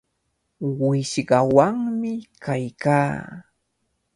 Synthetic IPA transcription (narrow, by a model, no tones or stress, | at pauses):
wɪʃɢɑwaŋmɪkajkaː